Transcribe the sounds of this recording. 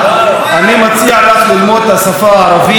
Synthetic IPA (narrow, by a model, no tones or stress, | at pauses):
animat͡siaalaχlilmod̪hasafaaːɾavi